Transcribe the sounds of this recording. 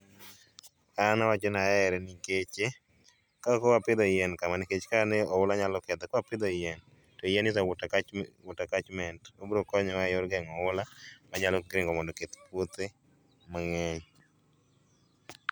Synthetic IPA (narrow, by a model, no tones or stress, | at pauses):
anawat͡ʃɔnaɛɾɛniket͡ʃe | kakɔwapɪd̪ɔɪjɛnkamaniket͡ʃkanɛɔʊlaɲalɔkɛd̪ɔkɔapɪd̪ɔjɛn | tɔjɛnɪsaʊtawʊtakat͡ʃmɛntobɾokɔɲɔwajɔɾɡaŋɔʊlamaɲalɔɡɾɪŋɡɔmɔndɔket̪pot̪e | maŋɛɲ